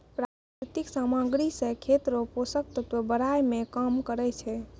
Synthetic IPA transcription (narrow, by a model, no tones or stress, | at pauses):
pɾak | ɾit̪iksamãɡɾisẽkʰet̪ɾoposək̚t̪ət̪əbəɾajmekəmkəɾɛt͡ʃʰɛ